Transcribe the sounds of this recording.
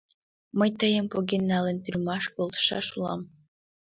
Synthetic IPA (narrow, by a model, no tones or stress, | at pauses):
mə̆jt̪əjəmpoɡʲinːɑlˠə̆nt̪yrʲmɑʃkolˠt̪ʃɑ̰ʃulˠɑ̰m